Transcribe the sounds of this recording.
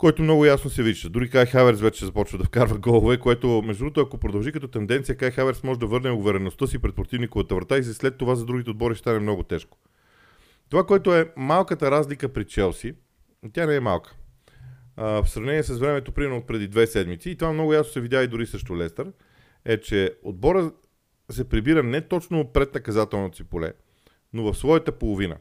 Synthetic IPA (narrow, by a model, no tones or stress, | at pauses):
kɔjt̪omnɔɡʊjasnosɛviʃd̪əd̪uɾikajxavɛɾsvɛt͡ʃɛɛzɐpɔt͡ʃvəd̪ɐfkaɾvəɡɔlˠovɛkoɛt̪omɛʒd̪ɾuot̪ɐkopɾod̪ɐlˠʒikɐt̪ɔt̪ɛnd̪ɛnt̪ijəkajxavɛɾsmɔʒɛd̪ɐvɤɾnɛoɡvɛɾɛnost̪əsipɾɛt̪poɾt̪ivnikovɐt̪əvɾɐt̪aizslɛt̪ːovazɐd̪ɾuɡ̟it̪ɛod̪̚bɔɾiʃst̪anɛmnɔɡʊt̪ɛʃko̥ | t̪ovakoɛt̪oɛmalˠkət̪əɾazlikəpɾit͡ʃɛlˠsi | t̪ʲjanɛɛmalˠkə̥ | fsɾɐvnɛniɛsəsvɾɛmɛt̪opɾimɛɾnot̪pɾɛd̪id̪vɛsɛd̪mit̪siːt̪ovamnɔɡʊjasnosɛvid̪jaid̪ʊɾisəʃt̪olɛst̪əɾ | ɛt͡ʃɛo̰d̪̚bɔɾə | sɛpɾibiɾənɛt̪ɔt͡ʃnopɾɛt̪nɐkɐzat̪ɛlˠnot̪o̥sipolɛ̰ | novɐfsvɔjət̪əpolˠovinə̰